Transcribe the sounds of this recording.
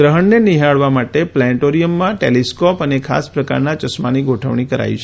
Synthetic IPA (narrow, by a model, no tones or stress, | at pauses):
ɡɾəɦəɳneniɦaɭʋamaʈeplɛ̃ʈoɾijəmːãʈḛliskɔpənekʰa̰spɾəka̰ɾnat͡ʃəsmaniɡoʈʰə̰ʋɳikəɾa̰it͡ʃʰe